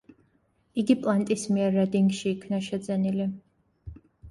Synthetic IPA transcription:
iɡipʼlˠant̪ʼismiɛɾːɛd̪iŋɡʃiːkʰnaʃɛd̪zɛnili

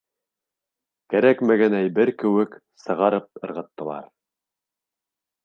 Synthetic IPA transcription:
kæɾækmæɡænæjbɘɾkɘ̆wɘk | sɤ̆ʁɑɾɤp̚ɤ̆ɾʁɤ̆t̪ːɤ̆lˠɑ̰ɾ

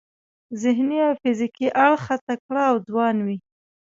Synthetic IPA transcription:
zɪɦniawfɪzikiʔaɽxat̪akɽaːwd̪wɑnwi

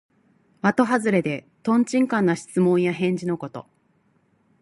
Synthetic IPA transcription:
mat̪o̞ɦazɨɾe̞d̪e̞ | t̪õ̞ɲt͡ɕĩŋkãnːaɕi̥t͡sɨmõ̞ɰ̃jaɦẽ̞ɲ̟d͡ʑino̞ko̞t̪o̞̰

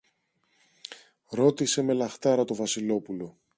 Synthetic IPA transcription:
ɾo̞t̪ise̞me̞lɐxt̪ɐɾɐt̪o̞vɐsilo̞pulo̞

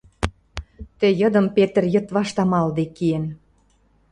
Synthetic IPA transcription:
t̪ĕjɤ̆d̪ə̆mpet̪ə̆rjɤ̆t̪βɑʃt̪ɑmɑld̪ekien

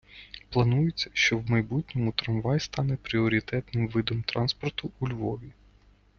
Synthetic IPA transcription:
plˠɐnujet͡sʲːɐ̥ʃt͡ʃɔwmɐjbutʲnʲɔmʊt̪ɾɐnʋɑjst̪ɑnɛpɾʲiɔɾʲit̪ɛt̪nɪmʋɪd̪ɔmt̪ɾɑnspɔrt̪ʊulʲʋɔʋʲi

